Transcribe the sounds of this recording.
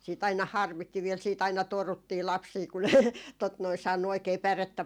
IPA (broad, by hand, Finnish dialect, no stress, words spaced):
siːt ɑinɑ hɑrmitːi ʋiel siːt ɑinɑ torutːiː lɑpsiː ku ne tot noi sɑːnːu oikeː pæretːæ